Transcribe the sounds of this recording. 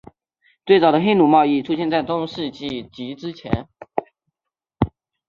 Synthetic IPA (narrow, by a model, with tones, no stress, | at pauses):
t̪we˥˩ɪt͡sɑ˨˩ʊd̪ə˦xe˥ɪnu˨˩mɑ˥˧ʊi˥˩ʈ͡ʂʰu˥ɕjɛ˥˧nt͡sa˥˩ɪt̪ʊ˥ŋʂɻ̩˥˧t͡ɕi˥˩t͡ɕi˧˥ʈ͡ʂɻ̩˥t͡ɕʰjɛ̰˧˥n